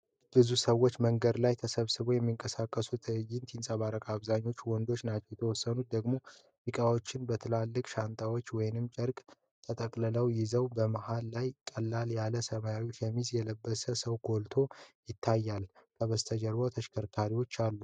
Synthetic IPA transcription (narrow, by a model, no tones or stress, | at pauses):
b̥ɨzusəwːo̞t͡ʃːməŋɡəd̪lajt̪ʰəsəβsɨβo̞jɛmːiŋkʼəsakʼːəsut̪ʰɨjɪnt̪ʰinsʼəβaɾəkʼaβzaɲːo̞t͡ʃːwɔnd̪o̞t͡ʃːnat͡ʃːɛwjɛt̪ʰəwɔsːənut̪̚d̪əɡmo̞ | jɨkʼawo̞t͡ʃːɪnbət̪ʰɨlalːɨkʼʃant̪ʼʰawo̞t͡ʃːwɔjɪnɨmt͡ʃʼɛɾkʼ | t̪ʰət̪ʼəkʼlələwjɪzəwbəmahalːajkʼəlːaljaləsəmajaɾiwot͡ʃːjɛmːizjɛləbːəsəsəwɡo̞lt̪ʰo̞jɪt̪ʰːajːalkʰəβəst̪ʰəd͡ʒəɾbot̪ʰəʃkʰəɾkʰaɾiwo̞t͡ʃːalːu